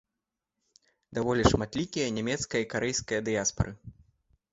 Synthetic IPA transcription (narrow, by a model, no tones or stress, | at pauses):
d̪avɔlʲiʂmat̪lʲikʲijɐnʲɛmʲɛt̪skɐjɐikaɾɛjskɐjɐd̪ɨjaspɐ̰ɾɨ